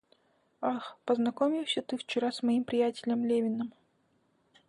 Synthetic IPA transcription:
axpəznɐkomʲɪwsʲət̪ɨft͡ɕɪɾasmɐimpɾʲɪjætʲɪlʲəmlʲevʲɪnɨm

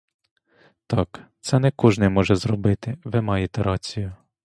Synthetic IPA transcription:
t̪ɑkt̪sɛnɛkɔʒnɪjmɔʒɛzrɔbɪt̪ɪʋɪmɑjet̪ɛɾɑt͡sʲijʊ

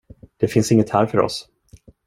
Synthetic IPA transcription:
d̪̥ɛfɪnsɪŋːət̪hæːɾfœɾɔ̰s

